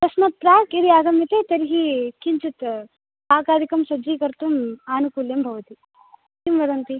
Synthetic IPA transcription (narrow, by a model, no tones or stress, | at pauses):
t̪ɐsmɐt̪̚pɾaːkiɾiaːɡɐmjɐt̪eːt̪ɐɾiɦikiɲt͡ʃut̪ | aːɡaːd̪ikɐmsɐd͡ʒiːkɐɾt̪umaːnukuːljɐmbʱɐʋɐt̪i | t̪imʋɐd̪ɐnt̪i